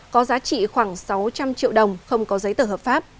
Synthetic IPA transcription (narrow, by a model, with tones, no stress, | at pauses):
kɔ˨˦zaː˨˦t͡ɕḭ˧˨xwaː˧˩ŋsa˨˦wt͡ɕa˧mt͡ɕḭ˧˨əwɗə˨˩wŋ͡mxə˧wŋ͡mkɔ˨˦zə˨˦jt̪əː˧˩ɦəː˨˩p̚faː˦˥p̚